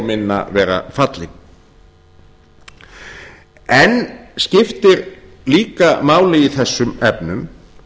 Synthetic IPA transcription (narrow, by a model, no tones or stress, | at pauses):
mɪnːa̰vɛːɾa̰fat̪lɪ | ɛnscɪft̪ɪɾ | liːkamaːwlɪiθɛsːʏmɛpnʏm